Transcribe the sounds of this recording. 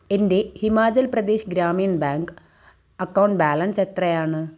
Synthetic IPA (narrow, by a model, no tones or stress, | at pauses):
ende̞himaːd͡ʑɐlprɐd̪eːɕɡɾaːmijɐnbaːŋɡ | ɐkːɐwuɳɖbaːlɐnset̪rɐjaːɳɨ